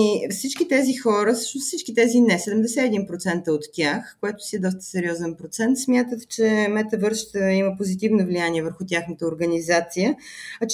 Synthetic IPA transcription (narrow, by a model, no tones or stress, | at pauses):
ifsit͡ʃkit̪ɛzixɔɾəfsɤ̥ʃnossit͡ʃkit̪ɛzinɛsɛd̪ɛmd̪ɛsɛɛd̪inpɾot̪sɛnt̪əot̪ːʲjaxkoɛt̪ʊ̥siɛd̪ɔst̪ə̥sɛɾiɔzɛnpɾot̪sɛnt̪smʲjat̪ət̪t͡ʃɛmɛt̪əvəɾʃt̪əiməpozit̪ivnovlijaniɛvəɾxut̪ʲjaxnət̪əoɾɡənizat̪sijəɐt͡ʃ